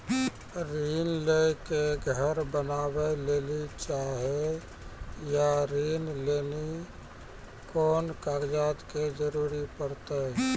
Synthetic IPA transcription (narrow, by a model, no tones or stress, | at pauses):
ɾiːnlekeɡʱəɾbənaːbeleːlit͡ʃaːɦe | jaɾiːnleːni | kɔːnkaːɾd͡ʒaːt̪ked͡ʒəɾuːɾipəɾt̪e